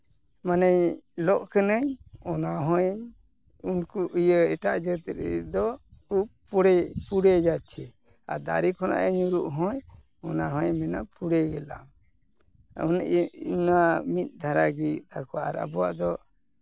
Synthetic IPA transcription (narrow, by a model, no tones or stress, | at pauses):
manajlɔʔkənəɲɔnaɦɔ̃jəɲ | unkuʔujəɛʈaʔd͡ʒət̪ɾɛ̰d̪ɔupuɽɛpuɽɛd͡ʒat͡ʃʰɛ | a̰ɾd̪a̰ɾikʰɔna̰ʔəɲuɾuʔɦɔ̃j | ɔnaɦɔ̃jmɛnapuɽɛɡɛla̰m | nunamit̪̚ˀd̪ʱaɾaɡit̪ʰakɔaʔa̰ɾa̰bɔwa̰ʔd̪ɔ